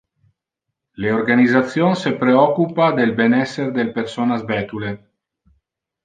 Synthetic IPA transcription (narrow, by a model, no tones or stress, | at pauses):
leorɡanizat̪sːjonsepɾeɔkupad̪elbenɛsːerd̪elpersoːnazbɛːt̪ule